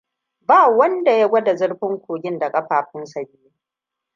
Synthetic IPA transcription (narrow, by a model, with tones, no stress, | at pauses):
baː˦˨wɐ˦nda˨ja˦ɡʷɐ˦da˨zʊ˦ɽɸɪ˦ŋkʷʰoː˨ɡʲɪ˦nda˨kʼɐ˦ɸaː˨ɸɪ˦nsɐ˨bɪ˦jeː˦